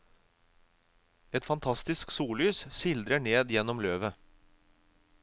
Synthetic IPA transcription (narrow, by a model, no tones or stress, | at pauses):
ɛt̪fɑnt̪ʰɑst̪ɪsksuːlyːssɪld̪ɾəɳeːd̪jɛnɔmløːʋə